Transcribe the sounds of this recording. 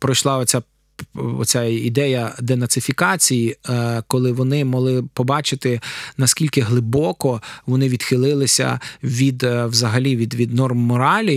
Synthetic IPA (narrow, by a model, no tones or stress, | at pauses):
pɾɔjʃlˠɑɔt͡sʲa | ɔ̰t͡sʲaid̪ɛjɐd̪enɐt̪sɪfʲikɑt͡sʲijikɔlˠɪʋɔnɪmɔɦlˠɪpɔbɑt͡ʃɪt̪ɪnɐskʲilʲkɪɦlˠɪbɔkɔʋɔnɪʋʲid̪xɪlˠɪlˠɪsʲɐ̰ʋʲid̪wzɐɦɐlʲiʋʲid̪ʋʲid̪nɔrmːɔɾɑlʲi